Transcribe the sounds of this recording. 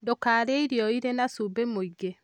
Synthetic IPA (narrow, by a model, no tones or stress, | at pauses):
dokaɾeiɾjɔiɾenasubemoiɡe